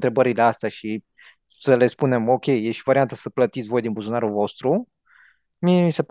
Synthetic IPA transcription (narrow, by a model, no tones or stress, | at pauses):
t̪ɾe̞bəɾileast̪eaʃi | səle̞spune̞mo̞kʲe̞jːeʃivaɾiant̪əsəplət̪it̪sʲvo̞jd̪inbusunaɾulvo̞st̪ɾu | miesep